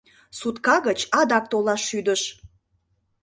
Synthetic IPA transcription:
sut̪kɑɣət͡ɕɑd̪ɑk̚t̪olɑʃːyd̪əʃ

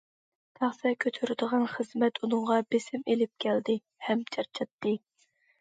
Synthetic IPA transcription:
t̪ʰæχsɛkʲʰøt̪ʰyɾɪd̪əʁɑnχəzmɛt̪ʰunɨŋʁɑbesɪmelɪp̚kʲʰɛld̪ɪ | hɛmt͡ʃʰɑɾt͡ʃʰɑt̪ːɨ

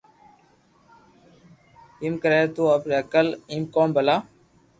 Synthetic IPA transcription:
imkəɾeːt̪uːəpɾeːəkəliːmkoːmbəlaː

